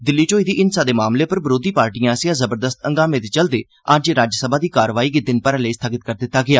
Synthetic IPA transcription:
d̪ɪlːiːt͡ʃoːiːd̪iːʔɪnsaːd̪eːmaːmleːpəɾbɪɾoːd̪iːpaːɾʈijãːsjãːzəbəɾd̪əst̪əŋɡaːmẽːt̪eːt͡ʃəld̪eː | əd͡ʒɾaːd͡ʒəsəbaːd̪iːkaːɾʋaːiːɡid̪ɪnpəɾələiːst̪ʰaːɡɪt̪̚kəɾd̪ɪt̪ːaːɡɪaː

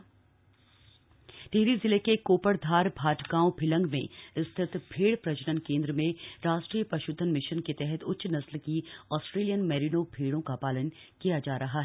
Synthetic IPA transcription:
t̪eɦɾizɪlekekoːpəɽd̪ʱaːɾbʱaːʈkãːõbʰʱɪlə̃ŋɡmḛ̃ɪst̪ʰɪt̪bʱeːɽpɾɐt͡ʃnənkẽːnd̪ɾəmẽɾaːʃʈɾiːjəpɐʃʊd̪ʱːənmɪʃənket̪ɛɦɛt̪ʰʊtːʃnɐslkiɔːsʈɾeːlijənmɛːɾinobʱeːɽõkapaːlən | kijad͡ʒaːɾɐɦaɦɛː

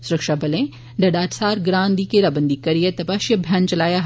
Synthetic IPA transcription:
sʊɾəkʃabɐlẽ | ɖɐɖaːʈsaːɾɡɾãːnd̪ikeɾaːbɐnd̪ikɐɾijet̪ɐbaːʃjɐbʱjaːnt͡ʃɐlaːjaɦ

